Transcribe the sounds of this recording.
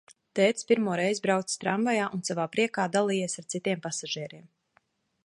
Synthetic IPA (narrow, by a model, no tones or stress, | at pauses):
t̪ɛːt̪spiɾmuɔɾɛjzbɾaw̪sst̪ɾaɱvajaːʔunsavaːpɾiɛkaːd̪alˠiːjiɛsaɾt̪sit̪iɛmpasaʒiɛɾiɛm